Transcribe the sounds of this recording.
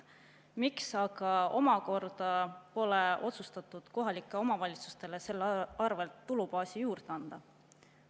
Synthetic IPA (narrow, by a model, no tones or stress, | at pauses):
miksɑɡɑo̞̰mɑko̞rd̪̥ɑpo̞le̞ʔo̞t̪sust̪ɑt̪ːˑud̪̥ko̞ɦɑlikːˑeo̞mɑvɑlʲit̪su̥st̪e̞le̞se̞lːɑrve̞lt̪ːulupɑːsijuːrd̪̥eɑnd̪̥ɑ